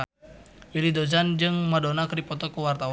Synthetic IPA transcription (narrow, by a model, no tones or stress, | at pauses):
wilidozand͡ʒɨŋmadɔnakɾipɔt̪ɔkuwart̪aw